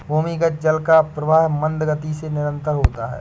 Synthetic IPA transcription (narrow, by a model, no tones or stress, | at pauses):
bʱuːmiɡəd͡ʒɐlkapɾɐʋaːɦmɐ̃nd̪ɡət̪isenɪɾə̃nt̪əɾɦoːt̪aɦɛ̰ː